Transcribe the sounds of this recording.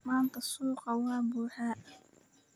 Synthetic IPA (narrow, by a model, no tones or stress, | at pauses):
maːnt̪ʰɐsuːqɑwɑːbuːħaːʔ